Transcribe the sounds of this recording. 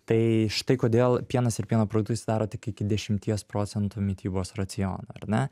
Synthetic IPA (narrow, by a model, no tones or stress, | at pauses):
t̪ɐɪʃɪ̥t̪ɐɪkoːd̪ʲeːlˠpʲiɛnɐsɪɾpʲiɛnoːpɾod̪ʊkt̪ʊɪsʲɪd̪ɑːɾoːt̪ʲɪkɪkʲɪd̪ʲɛʃʲɪmʲt̪ʲiɛspɾoːt͡s̪ʲɛnt̪uːmʲiɛt̪ʲiːboːsrɐt͡s̪ʲɪjo̰ːnoɐɾnʲɛ